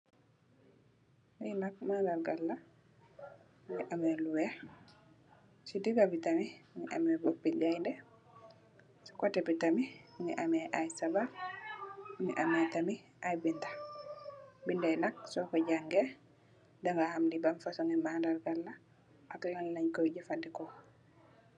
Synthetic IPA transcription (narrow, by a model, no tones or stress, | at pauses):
mijnak̚mandaɾɡalːa | ŋɡɛʔamɛluwɛ | sidiɡabitamiŋɛʔa̰mɛbopːid͡ʒajndɛ | sɔ̥kɔtɛpitamiŋɡɛʔamɛʔajsabaf | ŋɛʔamɛtamiʔajbinda | bindajnak̚sɔkɔd͡ʒaŋɡɛ | daŋɡahamdibamfasɔŋɛmandaɾɡalːa | ʔaklanlaɲkɔjd͡ʒɛfadːɛkɔ